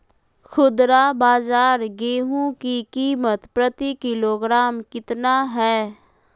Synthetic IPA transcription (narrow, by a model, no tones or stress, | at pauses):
xʰʊd̪ɾabaːzaːɾɡeːɦũkikiːmət̪pɾət̪ikɪloːɡɾaːmkɪt̪naɦɛː